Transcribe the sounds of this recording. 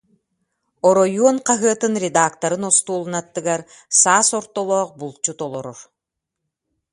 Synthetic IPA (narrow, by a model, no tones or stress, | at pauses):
ɔɾɔjuɔnqaɦɯɐt̪ɯnɾʲed̪aːkt̪ɐɾɯnɔst̪uːlˠɯnat̪ːɯɡaɾ | saːsɔɾt̪ɔlˠɔːq̚bulˠt͡ɕut̪ɔlˠɔɾɔɾ